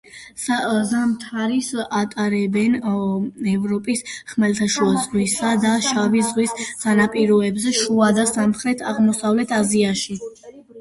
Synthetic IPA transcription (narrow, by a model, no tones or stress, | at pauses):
azamt̪ʰaɾisat̪ʼaɾɛbɛn | ɛvɾɔpʼisχmɛlt̪ʰaʃuazʁwisad̪aʃavizʁwissʰanapʼiɾɔɛbzɛʃuad̪asamχɾɛt̪ʰaʁmɔsavlɛt̪ʰaziaʃi